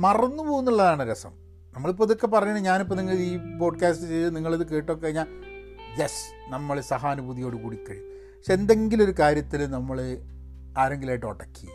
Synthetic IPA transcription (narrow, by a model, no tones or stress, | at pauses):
mɐrɐnːupo̞ːɣunːuɭːɐðaːɳɨɾɐsɐ̰m | nɐmːɐɭip̬ːoɐðokːe̞p̬ɐrɐɲːuɳɖɨɲaːnipːoniŋːɐɭiːpo̞ːɖkaːstɨt͡ɕejðɨniŋːɐɭɐðɨke̞ːʈːoːkːekɐɻiɲːaːl | jes | nɐmːɐɭsɐɦaːnubʱuðijo̞ːɽɨkuːɽikːɐ̰ɻḭ | pɐ̥kʂeend̪e̞ŋɡilo̞ɾukaːɾjɐt̪ːilnɐmːɐɭɨ | aːɾeŋɡilaːjʈːɨoɽɐkːijɐ̰